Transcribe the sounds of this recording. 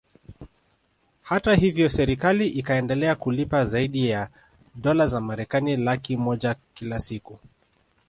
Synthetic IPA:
hatahivjɔsɛɾikaliʔikaɛndɛlɛakulipazaiɗija | ɗɔlazamaɾɛkanilakimɔʄakilasiku

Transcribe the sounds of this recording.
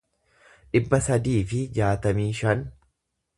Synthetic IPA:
ᶑɪbːɐsɐd̪iːfɪd͡ʒaːt̪ɐmiːʃɐn

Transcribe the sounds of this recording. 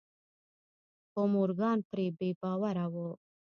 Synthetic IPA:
pomuɾɡɑːnpɾebeːbaːwaɾawo

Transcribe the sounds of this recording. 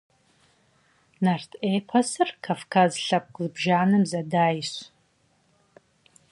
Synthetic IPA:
nartʰʼejpʰasɨrkʰavkʰazɬap̚ʼkʼlɨbʒaːnɨmzadaːjɕʷ

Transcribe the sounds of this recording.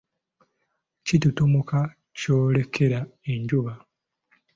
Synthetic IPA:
citutumuka | coːle̞kʰe̞ɾaeɲɟuβa

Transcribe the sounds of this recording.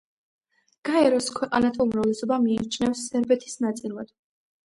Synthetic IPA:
ɡ̥aɛɾɔskʰwɛqʼa̰nat̪ʰaumɾavlɛsɔbamiːt͡ʃʰnɛfsːɛɾbɛt̪ʰi̥snat̪sʼilˠad̪̥

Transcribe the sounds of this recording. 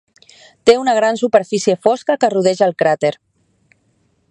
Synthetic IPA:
t̪eunəɣ̞ɾansupeɾfisiefɔskəkəruð̞ɛʒəːlˠkɾat̪eɾ

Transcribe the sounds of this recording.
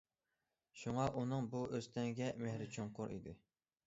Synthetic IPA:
ʃuŋɑʔunɨŋbuʔøzt̪ʰɛŋɡʲɛmehɾɪt͡ʃʰoŋqʊɾḭd̪ɪ

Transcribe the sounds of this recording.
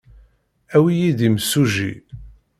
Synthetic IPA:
æwijiðimsːuʒḭ

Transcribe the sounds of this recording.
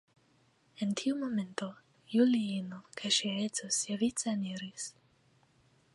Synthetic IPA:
entʰiumo̞me̞nt̪o | juliinokʰaʃiaet͡sosevit͡saniɾis

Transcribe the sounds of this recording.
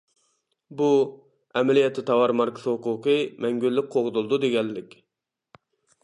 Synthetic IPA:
bu | ɛmɛlijɛt̪ʰːɪt̪ʰɑwɑɾmɑɾkʰɪ̥sɨhʊquqɨmɛŋɡʲyllːɪk̚ʲqʰoʁd̪ulˠd̪ud̪eɡʲɛlːɪkʲ

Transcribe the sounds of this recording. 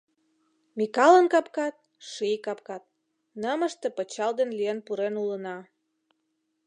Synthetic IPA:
mikɑlənkɑpkɑt̪̚ | ʃijkɑp̚kɑt̪̚ | nəməʃt̪ĕpə̆t͡ɕɑld̪enlijenpuɾenulənɑ

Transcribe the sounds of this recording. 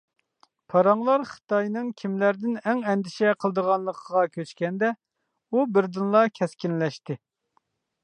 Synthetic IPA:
pʰɑɾɑŋlˠɑɾχə̥t̪ɑjnɨŋkʲʰimlæɾd̪ɪnɛŋɛnd̪ɪʃɛqʰəlˠd̪əʁɑnlˠəqʰəʁɑkʲʰøt͡ʃkʲɛnd̪ɛ | ubɪɾd̪ɨnlˠɑkʲʰɛskʲinlɛʃt̪ɪ

